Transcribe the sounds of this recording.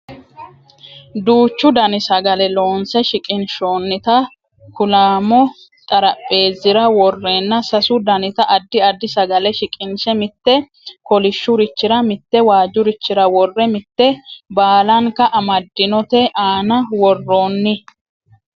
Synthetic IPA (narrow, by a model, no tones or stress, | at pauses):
d̪uːt͡ʃːʊd̪ɐnɪsɐɡɐlɛlo̞ːnsɛʃɪkʼɪnʃo̞ːnːɪt̪ɐ | kʊlaːmɔ | t̪ʼɐɾɐpʼːe̞ːzːɪɾɐwɔrːeːnːɐsɐsʊd̪ɐnɪt̪ɐʔɐd̪ːɪɐd̪ːɪsɐɡɐlɛʃɪkʼɪnsɛmɪt̪ːɛ | kɔlɪʃːʊɾɪt͡ʃːɪɾɐmɪt̪ːɛwaːd͡ʒːʊɾɪt͡ʃːɪɾɐwɔrːɛmɪt̪ːɛbaːlɐŋkɐʔɐmɐd̪ːɪnɔt̪ɛʔaːnɐwɔrːo̞ːnːɪ